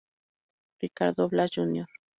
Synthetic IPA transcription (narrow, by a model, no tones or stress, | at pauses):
ɾikaɾd̪oβlaʒunjoɾ